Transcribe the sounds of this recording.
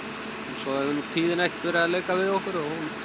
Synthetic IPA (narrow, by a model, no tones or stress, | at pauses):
hunsɔðaʏnt̪ʰiːðɪnajht̪vʏɾaalejkavɪðɔhkʏɾɔɣhun